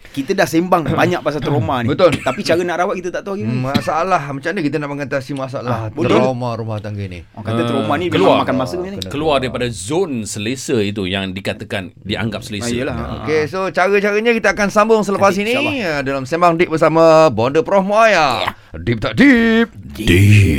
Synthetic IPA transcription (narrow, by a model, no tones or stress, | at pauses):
kit̪ədahsembaŋbaɲak̚bas̬at̪ɾomanibət̪olt̪apit͡ʃaɾənaʔɾawat̪̚kit̪ət̪aʔt̪aaɡimasaʔalahmat͡ʃamnəkit̪ənaʔməŋat̪asimasaalaht̪ɾamaɾumaht̪aŋɡanḭkaəɾomanikəluamakanmasəanikəluardaɾipadazonsəlesəit̪̬ujaŋdikat̪əkan | diʔa̰ŋɡap̚səlessjəla̰o̰kesot͡ʃaɾət͡ʃaɾəɲakit̪əakansambʊŋsələpas̬iniədalamsemaŋdɪʔ̚bərsaməbondəpɾohmaja | dip̚t̪aʔdip̚di